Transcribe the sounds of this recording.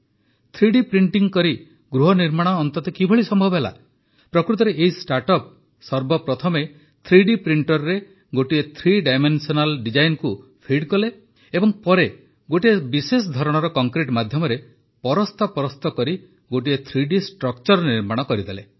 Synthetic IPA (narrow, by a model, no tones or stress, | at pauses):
t̪ʰɾiɖipɾiɳʈiŋkɔɾi | ɡɾuɦɔniɾmaɽ̃ɔːnt̪ɔt̪ɔkibʱɔɭisɔmbʱɔbɔɦela̰ | pɾɔkɾut̪̬ɔɾeʔeɦisʈaɾʈɔp̚ | sɔɾbɔpɾɔt̪ʰɔme | t̪ʰɾiɖipɾiɳʈɔɾɾe | ɡoʈiet̪ʰɾiɖajmensɔnalɖid͡ʒajnkupʰiɖkɔle | ebɔŋpɔɾe | ɡoʈiebisesɔd̪ʱɔɾɔɽ̃ɔɾɔkɔŋkɾiʈmad̪ʱjɔmɔɾe | pɔɾɔst̪ʰɔpɔɾɔst̪ɔkɔɾi | ɡoʈ̬iet̪ʰɾiɖisʈɾɔkt͡ʃɔɾɔniɾmaɽ̃ɔkɔɾid̪ele